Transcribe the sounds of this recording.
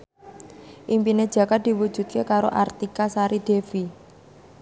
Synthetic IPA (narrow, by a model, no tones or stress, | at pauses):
ʔimpined̥ʒ̥ä̤kad̪̥i̤wud̥ʒ̥ṳt̪̚kekaɾoʔart̪ikasaɾid̪̥efi